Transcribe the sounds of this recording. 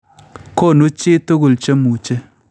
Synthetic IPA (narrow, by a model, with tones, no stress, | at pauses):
ko˦˨no˦t͡ʃɪ˦to˦ɡu˨lt͡ʃe˦mu˨t͡ʃe˦